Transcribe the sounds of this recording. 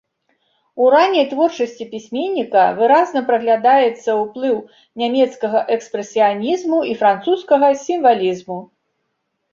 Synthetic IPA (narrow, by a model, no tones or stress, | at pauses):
uɾanʲːɐjt̪vɔrt͡ʂɐsʲt͡sʲipʲisʲmʲenʲːikɐ̰vɨɾaznɐpɾɐɣlʲad̪ajɛt̪sːɐwplˠɨw | nʲamʲɛt̪skɐɣɐʔɛkspɾɛsʲijanʲizmuifɾant̪suskɐɣɐsʲimvalʲizmu